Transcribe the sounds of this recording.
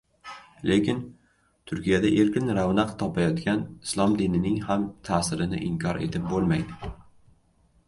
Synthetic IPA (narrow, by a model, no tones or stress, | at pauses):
le̞kʲɪn | t̪ʰʊɾkʲijad̪aʔe̞ɾkʲɪnɾavnaqt̪ʰɒpʰajɒt̪kʲanɪslˠɒmd̪inɪnɪŋhamt̪ʰaːsɪɾɪnɪ̰ʔɪŋkʲʰɒɾʔe̞̰t̪ʰɪp̚bolˠmajd̪ɪ